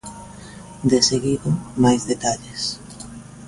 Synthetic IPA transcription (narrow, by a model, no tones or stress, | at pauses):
d̪eseɣiðomajzðet̪aʎes